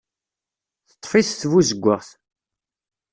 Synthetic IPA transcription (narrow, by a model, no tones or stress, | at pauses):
θə̥t̪ˤːfiθθvuzəɡʷːəʁθ